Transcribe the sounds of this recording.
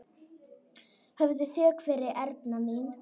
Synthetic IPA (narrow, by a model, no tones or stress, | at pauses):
hɛvðʏθjœːkʰvɪɾɪʔɛɾt̪namin